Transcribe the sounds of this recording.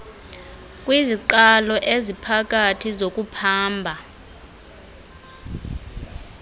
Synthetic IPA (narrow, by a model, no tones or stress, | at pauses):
kʼwiziǃalɔʔezipʰakʼatʰizokʼupʰaːmbʱa